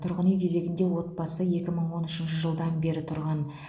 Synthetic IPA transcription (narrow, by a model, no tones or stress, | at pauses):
t̪ʰʊɾʁənujkʲʰe̞ze̞ɡʲɪnd̪e̞wo̞t̪̚bɑsəje̞kʲɪməɴwo̞nʏʃɪnʃəʒəlˠd̪ɑnbe̞ɾɪt̪ʰʊɾʁɑn